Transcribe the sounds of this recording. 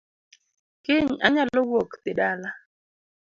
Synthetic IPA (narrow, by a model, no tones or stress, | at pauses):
kɪɲa̰ɲalɔwokt̪ɪdala